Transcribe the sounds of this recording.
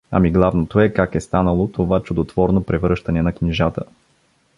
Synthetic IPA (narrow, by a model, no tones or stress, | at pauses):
ɐ̰miɡlˠavnot̪oɛkakɛst̪anəlˠot̪ovat͡ʃʊd̪ot̪v̥ɔɾnopɾɛvɾɤʃt̪ɐnɛnɐknʲiʒat̪ə̰